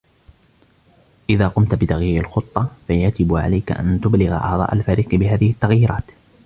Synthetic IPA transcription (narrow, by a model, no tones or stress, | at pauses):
ʔɪðaːqʊmt̪bɪt̪ɑɣjiːɾɪlxʊt̪ˤːɑfajad͡ʒɪbʕa̰lajka̰ʔa̰nt̪ʊblɪɣa̰ʔɑ̰ʕðˤɑ̰ːʔalfaːɾiːqɨbɪɦaːðɪhɪt̪ːɑɣjiːɾɑ̰ːt̪